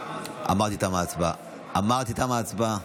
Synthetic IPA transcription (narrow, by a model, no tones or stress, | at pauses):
a̰mːatit̪amat͡sba | amːaɣt̪it̪amat͡sba